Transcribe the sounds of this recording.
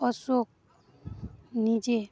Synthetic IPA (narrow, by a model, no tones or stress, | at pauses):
ɔsok̚ | nid͡ʒe